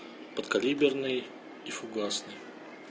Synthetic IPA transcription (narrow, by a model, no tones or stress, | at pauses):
pət̪kɐlʲibʲɪrnɨj | ifʊɡasnɨj